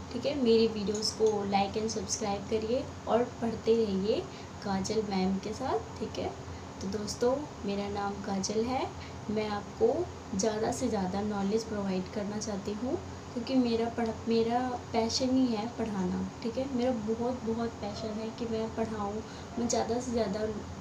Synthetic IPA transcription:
ʈʰiːkɦɛmeːɾiʋiːɖijoːzkolaːɪkɛ̃nsɐbskɾaːɪb̚kɐɾie | ɔːɾpɐɽ̤t̪eɾɛɦie | kaːd͡ʒəlmɛːmkesaːt̪̚ʰʈʰːiːkɦɛː | t̪od̪oːst̪õ | meːɾanaːmkaːd͡ʒəlɦɛ | mɛ̃aːp̚ko | zjaːd̪asezjaːd̪anɔːled͡ʒpɾoːʋaːɪɖkɐɾnat͡ʃaːt̪iɦũ | kjõːkimeːɾapɐɽ̤ameːɾapɛːʃəniɦɛpɐɽ̤aːnaʈʰiːkɦɛmeːɾabɔɦɔt̪bɔɦʊt̪̚pɛːʃənɦɛkimɛ̃pɐɽ̤aːũ | mɛ̃zjaːd̪asezjaːd̪a

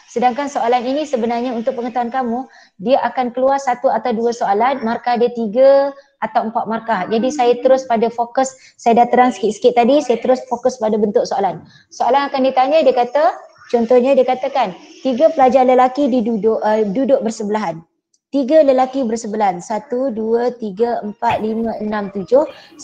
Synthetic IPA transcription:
sədaŋkansoalaninĩsəbənarɲaunt̪ʊk̚pəŋət̪uankamũ | diaʔakankəluarsat̪uat̪awduasoalanmarkahdiat̪iɡaʔat̪awəmpat̪̚markahd͡ʒadisajat̪əɾʊspadafokəsː | ajadat̪əɾaŋsə̥kɪʔ̪sə̥kɪt̪̚ːadisajat̪əɾʊsfokʊspadabənt̪ʊʔ̚soalan | soalanakandit̪aɲãdiəkat̪a | t͡ʃɔnt̪ɔhɲãdiəkat̪akant̪iɡapəlad͡ʒaləlakididudʊʔdudʊʔ̚bərsəbəlaɦan | t̪iɡaləlakibərsəbəlaɦansat̪uduət̪iɡəəmpat̪̚limãənãmt̪ud͡ʒʊh

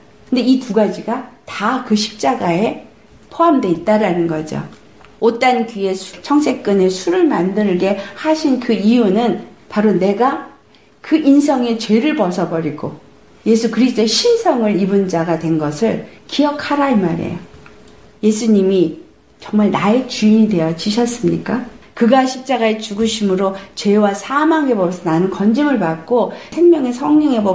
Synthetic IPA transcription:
kɯnde̞ituɡad͡ʑiɡatakɯɕʰi̥p̚t͡ɕ͈aɡae̞ | pʰoamdwe̞it̚t͈aɾanɯnɡʌd͡ʑo̰ | ot͈ankie̞sʰt͡ɕʰʌŋsʰe̞k̚k͈ɯne̞sʰuɾɯɭmandɯɭɡe̞haɕʰinkɯijunɯnpaɾone̞ɡa | kɯʔins̬ʰʌŋe̞t͡ɕwe̞ɾɯɭpʌsʰʌbʌɾiɡo̰ | je̞sʰukɯɾisʰt͈oeɕʰinsʰʌŋɯɾibund͡ʑaɡadwe̞nɡʌsʰɯɭkiʌkʰaɾaimaɾḛjo | je̞sʰuɲimi | t͡ɕʌŋmaɭnaet͡ɕuiɲidwe̞jʌt͡ɕiɕʰʌs͈ɯmɲik͈akɯɡaɕʰip̚t͡ɕ͈aɡaet͡ɕuɡɯɕʰimɯɾot͡ɕe̞wasʰamaŋɡebʌbʌsʰʌnanɯnkʌnd͡ʑimɯɭpak̚k͈osʰe̞ŋmjʌŋe̞sʰʌŋɲʌŋe̞bʌ

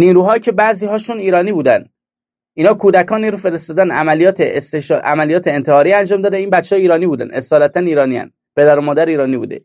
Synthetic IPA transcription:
niːɾuːɦɒːjcʰe̞bæʔziːɦɒːʃuniːɾɒːniːbuːd̪ænd̪ | ʔiːnhɒːkʰuːd̪ækʰɒːniɾufe̞ɾe̞st̪ɒːd̪ænæmælijɒːt̪ʰest̪eʃʔæmælijɒːt̪ʰeːnt̪ʰehɒːɾiːænd͡ʒɒːmd̪ɒːd̪eiːnbæt̪t͡ʃːeɒːjiːɾɒːniːbuːd̪æ̰nesɒːlæt̪ʰæniːɾɒːniːæ̰n | pʰe̞d̪æɾomɒːd̪æɾiːɾɒːniːbṵːd̪e̞̰

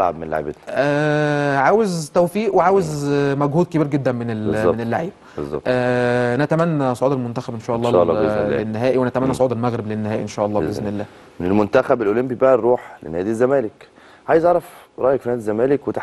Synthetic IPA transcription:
lʕa̰b̚menla̰ʕḛbet̪næʕaːwezt̪æwfiːʔweʕaːwezmæɡhuːd̪̚kebiːɾɡed̪ːænmenelzmenelːaʕiːb̚bezːɑ̰ʔæænʔæt̪æmænːæsˤoʕuːd̪ælmont̪æxæbʔenʃæːʔɑlˤːɑ̰ːlenːeɦæːʔiwænæt̪æmænːæsˤoʕuːd̪ælmæɣɾeblenːehæːʔḭʔenʃæːʔɑlˤːɑːeezmelːæː | menelmont̪æxæbelʔolembibæʔæɾuːħlḛnæːd̪izːæmæːlek | ʕaːjezʕɑɾˤɑfɾˤɑːʔjekfinæːd̪izːæmæːlekwet̪

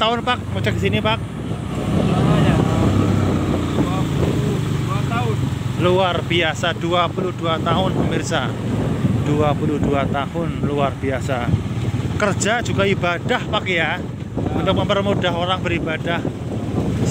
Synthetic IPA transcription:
t̪aʊnpak̚mot͡ʃɛk̚sinipak̚ | aja | duapuluuat̪aʊnluarb̥iasad̥uapuluhd̥uat̪aɦʊnpəmirsa | d̥uapuluduat̪ahʊnluarb̥iasa | kər̥d͡ʒ̥ad͡ʒuɡaibadahpakja | unt̪ʊk̚məmpərmudaɦoɾaŋbəɾibad̥ah | s

